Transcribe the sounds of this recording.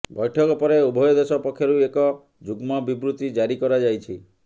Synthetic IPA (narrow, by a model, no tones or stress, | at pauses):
bɔjʈʰɔkɔpɔɾeubʱɔjɔd̪esɔpɔkʰjɔɾuekɔ | d͡ʒuɡmɔbibɾut̪id͡ʒaɾikɔɾad͡ʒajt͡ʃʰi